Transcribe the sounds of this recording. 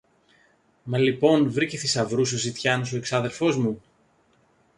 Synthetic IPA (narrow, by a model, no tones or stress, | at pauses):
mɐlipo̞nvɾicesisɐvɾusosit̪çɐno̞s̬o̞eksɐðe̞ɾfo̞zmu